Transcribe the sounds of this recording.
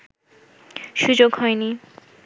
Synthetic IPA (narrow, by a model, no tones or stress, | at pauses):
ʃud͡ʑoɡhɔeni